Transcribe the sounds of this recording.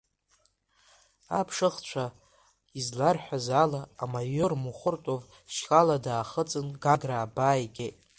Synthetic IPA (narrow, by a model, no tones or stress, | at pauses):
a̰pʰʂɨχt͡ɕʷʰa | izlarħʷᶣazalaːmajormuχʷʊrtʼov | ʃkʼaladaːχət͡sʼɨnɡaɡraːbaːjɡʲet